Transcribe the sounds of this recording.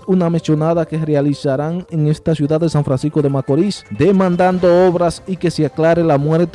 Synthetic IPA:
unameso̞naðake̞realisaɾaŋeŋe̞st̪asjuðaððːesaɱfɾansisko̞ðe̞makoɾisd̪emãnd̪and̪o̞oβɾasike̞seaklaɾe̞lamwe̞ɾt̪

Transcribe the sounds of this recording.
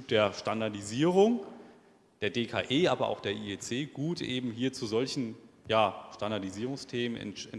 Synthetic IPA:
p̚d̥eːɐʃtandaɐdiziːʁʊŋ | d̥eːɐdeːkʰa̰ːʔeːʔaːbɐʔa̰ʊxd̥eːɐʔiet͡seːɡ̥uːtʔeːbm̩ɦiːɐt͡suzɔlçn̩jaːʃtandaɐdiziːʁʊŋstʰeːmənɪ̰nɪn

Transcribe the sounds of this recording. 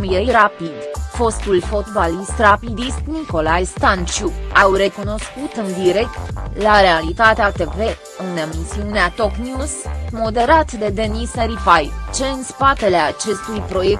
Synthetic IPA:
mjejɾapid̪fo̞st̪ulfo̞t̪balist̪rapid̪ist̪niko̞lajst̪ant͡ʃuawre̞kuno̞skut̪ɨnd̪iɾe̞k̚t̪laɾe̞alit̪at̪eat̪e̞ve̞ | ɨne̞misiuneat̪o̞knjuzmo̞d̪e̞ɾat̪d̪e̞d̪e̞nisəɾipajt͡ʃe̞ɨnspat̪e̞leat͡ʃe̞st̪ujpɾo̞je̞k

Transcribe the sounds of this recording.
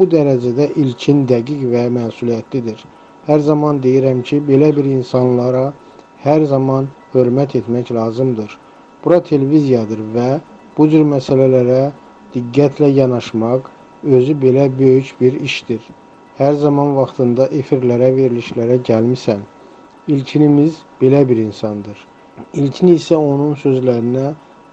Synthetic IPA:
b̥ud̪æɾæd͡ʒæd̪æʔilcʰind̪æɡiɡvæmæːsulijæt̪ʰlid̪iɾ | hæɾzɑmɑnd̪e̞jiɾæmcʰibe̞læbiɾinsɑnlˠɑɾɑ | hæɾzɑmɑn | hø̞ɾmæt̪ʰe̞t̪mæclˠɑːzɯmd̪ɯɾ | b̥uɾɑt̪ʰe̞levizijɑd̪ɯɾvæ | b̥ud͡ʒyɾmæsælælæɾæ | d̪̥iɡːæt̪ʰlæjɑnɑʃmɑq | ø̞zybe̞læbø̞jycbiɾiʃd̪iɾ | hæɾzɑmɑnvɑχt̪ʰɯnd̪ɑʔe̞fiɾlæɾæve̞ɾiliʃlæɾæɟælmisæn | ilcʰinimizb̥e̞læbiɾinsɑnd̪ɯɾ | ilcʰiniːsæo̞nunsø̞zlæɾinæ

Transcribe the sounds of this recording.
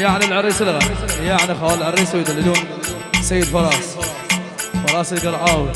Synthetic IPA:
jaʕnilʕɪɾːiːsɪlɣajaʕnixawalʕɪɾːiːsawjd̪alːɪd̪uːn | sajːɪd̪fɑlˤɑːs | fɑlˤɑːslɡɑɾʕɑːwi

